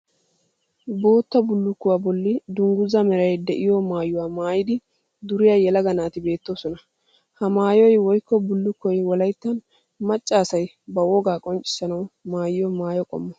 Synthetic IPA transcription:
bo̞ːt̪ːɐbʊlːʊkːʊwaːbɔlːɪd̪ʊŋɡʊzɐmɛɾɐjd̪ɛʔɪjɔmaːjʊwaːmaːjɪd̪ɪ | d̪ʊɾɪjajɛlɐɡɐnaːt̪ɪbe̞ːt̪ːo̞ːsɔnɐ | hɐmaːjɔjwɔjkːɔbʊlːʊkːɔjwɔlɐjt̪ːɐn | mɐt͡ʃʼːaːsɐj | bɐwɔɡaːkʼɔnt͡ʃʼːɪ̥sːɐnɐwmaːjɪjɔmaːjɔkʼɔ̰mːɔ

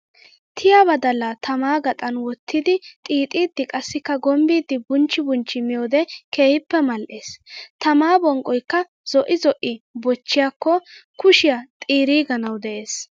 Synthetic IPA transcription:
t̪ʰɪjabɐd̪ɐlːɐt̪ʰɐmaːɡɐt̪ʼɐnwɔt̪ʰːɪd̪ɪt̪ʼiːt̪ʼiːd̪ːɪkʼɐsːɪkːɐɡɔmbiːd̪ːɪbʊnt͡ʃːɪbʊnt͡ʃːɪmɪjoːd̪ɛke̞ːhɪpːɛmɐlʔeːst̪ɐmaːbɔŋkʼːɔjkːɐ | z̥ɔʔɪzɔʔɪbɔt͡ʃːɪjakːɔkʊʃɪjat̪ʼiːɾiːɡɐnɐwd̪ɛʔe̞ːs

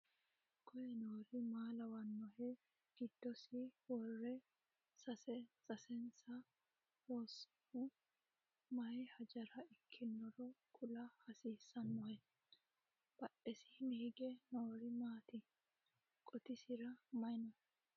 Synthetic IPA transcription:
kʰɔjɛnoːɾɪmaːlɐwɐnːɔhɛ | ɡ̥ɪd̪ːɔsɪwɔrːɛ | sɐsɛsɐsɛnsɐ | wɔːsː | ʊ | mɐjhɐd͡ʒɐɾɐɪkʰːɪnːɔɾɔkʰʼʊlɐhɐsiːsːɐnːɔhɛ | b̥ɐʔɛsɪnɪhɪɡɛnoːɾɪmaːt̪ɪ | kʼɔt̪ɪsɪɾɐmɐjnɔhɛ

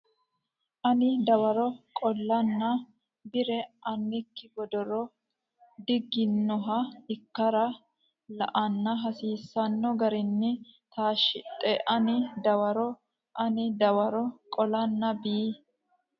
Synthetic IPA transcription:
ʔɐnɪd̪ɐwɐɾɔkʼɔlːɐnːɐ | bɪɾɛʔɐnːɪkːɪbɔd̪ɔɾɔ | d̪ɪɡɪnːɔɦɐɪkːɐɾɐ | lɐ̰ʔɐnːɐɦɐsiːsːɐnːɔɡɐɾɪnːɪt̪aːʃɪt̪ʼɛʔɐnɪd̪ɐwɐɾɔ | ʔɐnɪd̪ɐwɐɾɔkʼɔlɐnːɐbiː

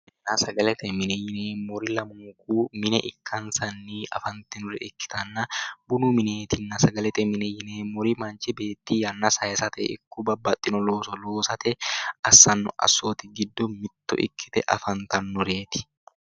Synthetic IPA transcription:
ɪnːɐsɐɡɐlɛt̪ɛmɪnɛjɪneːmɔɾɪlɐmuːkuːmɪnɛʔɪkʰːɐnsɐnːiʔɐ̰fɐnt̪ɪnʊɾɛɪkːɪ̥t̪ɐnːɐbʊnumɪneːt̪ɪnːɐsɐɡɐlɛt̪ɛmɪnɛjɪneːmɔɾɪmɐnt͡ʃɛbe̞ːt̪ːiːjɐnːɐsɐjɛsɐt̪ɛ̰ʔɪ̰kːʊbɐbːɐt̪ʼːɪnɔloːsɔloːsɐt̪ɛɐsːɐnːɔ̰ʔɐ̰sːoːt̪ɪɡɪd̪ːɔmɪt̪ːʊ̰ʔɪ̰kːɪ̥t̪ɛʔɐ̰fɐnt̪ɐnːɔɾeːt̪ɪ̥

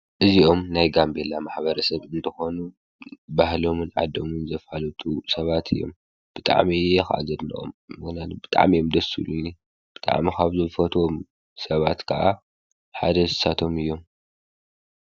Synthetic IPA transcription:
ʔɨzio̞mnajɡambelamaħβɐɾɐsɐβʔɨnt̪ʰɐxo̞nu | bahlo̞mɨnʕa̰d̪omɨnzɐfhalɐt̪ʰusɐβat̪ʰɨjːo̞̰m | b̥ɨt̪ʼa̰ʕmixa̰ʔa̰zɐd̪nɐ̰ʔo̰mɨɡnat̪bɨt̪ʼa̰ʕmijomd̪ɐsṵluni | b̥ɨt̪ʼa̰ʕmikʰaβzɐfɐt̪ʰwom | sɐβat̪kʰɐʔa | ħa̰d̪ɐzɨsat̪ʰo̞mɨjːo̞m

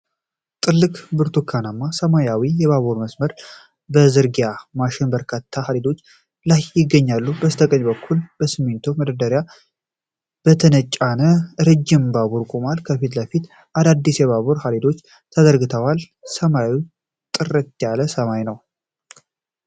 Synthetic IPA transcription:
t̪ʼɨlːɨkʼbɨɾt̪ʰukʰːanamːasəmajawijɛβaβuɾməsməɾ | bəzɨɾɡjamaʃɪnbəɾkʰat̪ʰːahaled̪o̞t͡ʃː | lajːɪɡːəɲːalːubəst̪ʰəkʼəɲbəkʰːulb̥əsɨmːent̪ʰuməd̪əd̪əɾja | b̥ət̪ʰənət͡ʃʼːanəɾɨd͡ʒːɪmbaβuɾkʼomalkʰəfit̪ləfit̪ | ʔad̪ad̪ːisjɛβaβuɾhaled̪o̞t͡ʃː | t̪ʰəd̪əɾɡɨt̪ʰəwal | səmaji | t̪ʼɨɾət̪ːjaləsəmajnəw

